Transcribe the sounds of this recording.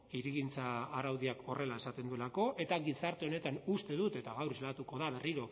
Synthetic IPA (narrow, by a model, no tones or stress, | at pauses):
iɾiɣint͡saːɾawðiako̞re̞lae̞sat̪e̞nd̪ue̞lako̞ʔe̞t̪aɣisaɾt̪e̞o̞ne̞t̪anust̪e̞ðut̪e̞t̪aɣawrezlat̪uko̞ð̞aβe̞riɾo̞